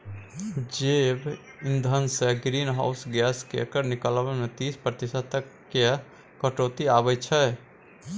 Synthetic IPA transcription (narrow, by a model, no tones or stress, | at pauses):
d͡ʒeb | ɪ̃nd̪ʱənseɡɾiːnɦa̰ʊsɡɛːskḛkəɾnɪkələʋemẽt̪iːspɾət̪ɪsət̪əkːe | kəʈoːt̪iaːbəjt͡ʃʰɛ